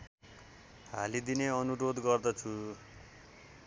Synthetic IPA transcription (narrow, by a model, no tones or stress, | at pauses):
ɦalid̪ineʌnuɾod̪ɡʌrd̪ʌt͡sʰu